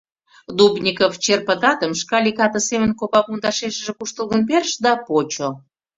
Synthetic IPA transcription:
d̪ubnʲikoft͡ɕerpə̆t̪ɑt̪əmʃkɑlʲikɑt̪ə̆semə̆nkopɑpunt̪ɑʃeʃə̆ʒĕkuʃt̪əlˠɣənperʃd̪ɑpot͡ɕo

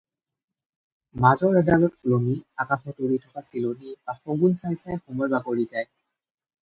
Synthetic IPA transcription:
mazɔɹɛdalɔt̚lomiakaxɔtuɹitʰɔkasilonibaxɔɡunsajsajxɔmɔjbakoɹizaj

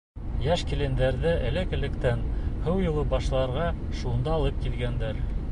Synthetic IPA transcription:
jæʃkilɘ̆nd̪æɾðɘʔæ̆lɘkɘ̆lɘ̆kt̪ænhɘwjŭlˠɤbɑʃlˠɑɾʁɑ | ʃund̪ɑːlˠɤp̚kilɡænd̪æɾ

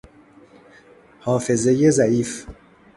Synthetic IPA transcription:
hɒːfe̞ze̞jezæʔiːf

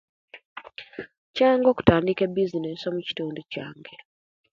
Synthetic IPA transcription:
caaŋɡo̞ːku̥taːndike̞bizinesomuci̥tuːnducaːŋɡe

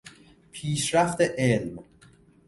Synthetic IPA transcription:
pʰiːsɾæft̪eʔelm

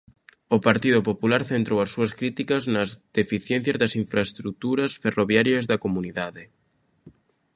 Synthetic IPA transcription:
ʊpaɾt̪iðʊpopulaɾθent̪ɾowɐsːuɐskɾit̪ikɐznɐzd̪̥efiθjɛ̃n̟θjɐzðɐsiɱfɾaest̪ɾut̪uɾɐsferoβjaɾjɐzðɐkomuniðaðɪ

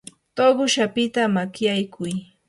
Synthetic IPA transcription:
t̪oɢʊʃapɪt̪amakjajkʰʊj

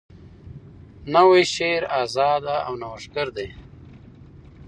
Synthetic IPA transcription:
naweʃeːɾaːzɑːd̪aʔawnawaʂkəɾd̪e

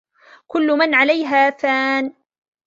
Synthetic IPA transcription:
kʊlːʊmanʕalajɦaːfaːn

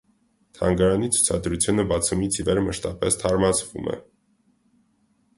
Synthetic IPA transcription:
t̪ʰɑŋɡɑɾɑnit͡sʰu̥t͡sʰɑ̰d̪ɾut͡sʰjunəbɑt͡sʰumit͡sʰivɛɾməʃt̪ɑpɛst̪ʰɑɾmɑt͡sʰvṵmʔɛ̰

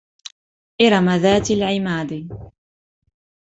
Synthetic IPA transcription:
ʔɪɾˤɑmaðaːt̪alʕɪmaːd̪i

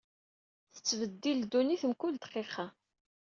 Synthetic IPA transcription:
θə̥t͡sːvəd̪ːild̪uniθəmkʊld̪qːeχa

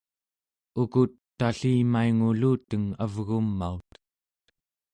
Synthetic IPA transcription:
ukut̪ːaɬiːmaiŋuluːt̪əŋavɣumːaut̪ə̥t̪

